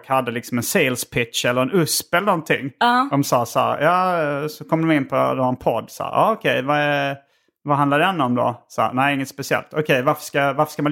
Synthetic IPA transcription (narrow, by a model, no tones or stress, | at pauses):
khad̪ːəlɪksɔmɛnseːlspʰɪtʂɛlːəɾɛnɵspɛlənɔnt̪ʰɪ̰ŋːd̪ɔmsɑːsæ̰ɾjɑːsɔkʰɔmd̪ɔmɪnːpʰɔd̪oɛnpʰɔd̪ːsɑ̰ːɾʔɑ̰ːɔkʰɛjvaɛɾ | vaɦand̪laɾd̪ɛɛnːəɔmd̪o̰sɑ̰ːnæɪɪŋːət̪spɛsɪɛ̰lt̪ʰɔkʰɛjvaɾfə̥ʂkavaɾfə̥ʂkaman